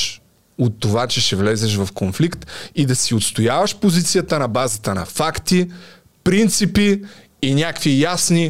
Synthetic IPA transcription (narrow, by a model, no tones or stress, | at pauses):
ot̪ːovat͡ʃɛʃɛvlɛzɛʃvɐfkonflikt̪id̪ɐsiot̪st̪ojavɐʃpozit̪sijət̪ənɐbazət̪ənɐ̰fakt̪i | pɾint̪sipiː | nʲakvijasni